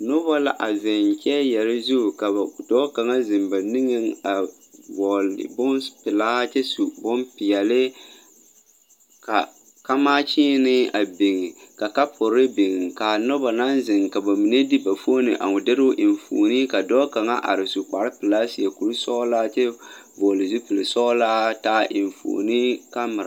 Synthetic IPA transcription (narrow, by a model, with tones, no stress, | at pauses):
no˦ba˦la˨ʔa˨zɪ˨n˨t͡ʃɛ˦jɛ˨ɾɪ˦zu˦˨ka˨ba˨dɔː˦ka˨ŋa˦zɪ˨mba˨ni˦ŋɪ˦ŋa˨ | bɔ˨l̰bʊ˦npɪ˨laː˦t͡ʃɛ˦su˨bʊ˦mpɪ˨jɛ˨lɪ˦ | ka˨ | ka˦maː˦t͡ʃiː˦nɪ˦a˨bɪ˨ŋɪ˨ka˨ka˦pʰɔ˨ɾɪ˦be˨ŋɪ˨ŋka˨nɔ˦ba˨na˦nzɪ˨ŋka˨ba˨mi˨ne˦di˦ba˨fo˦nɨ̰˨ʔa̰˨ŋʊ˨dɪ˦ɾʊ˦ʔɪ˨ɱ˨fo̰ː˨ni˦ka˨dɔː˦ka˨ŋa˦ʔa̰˨ɾɪ˨su˨k͡pa˨ɾɪ˦pɪ˨laː˦si˨a˨ku˨ɾu˦sɔ˦laː˦t͡ʃɛ˦bɔː˨lɪ˨zu˦pɪ˨lɪ˨sɔ˦laː˦taː˦ʔɪ˨ɱfo̰ː˨ni˦ka˦mɨ˨ɾa̰˨